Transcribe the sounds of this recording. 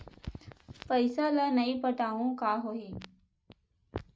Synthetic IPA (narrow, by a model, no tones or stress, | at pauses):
pəjsalanəipəʈaʋũkaːɦoɦi